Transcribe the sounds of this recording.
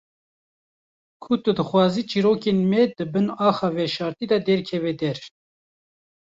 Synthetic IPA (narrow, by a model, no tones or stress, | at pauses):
kʰut̪ɨd̪ɨxwɑːziːt͡ʃʰiːɾoːkenmɛd̪ɨbɨnɑːxɑːvɛʃɑːɾt̪iːd̪ɛd̪ɛɾkʰɛvɛd̪ɛɾ